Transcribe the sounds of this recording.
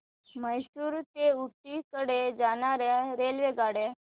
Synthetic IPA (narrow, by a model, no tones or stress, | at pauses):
məjsuːɾt̪euʈ̪ːikəɽed͡zañaɾjaɾelʋeɡaɽe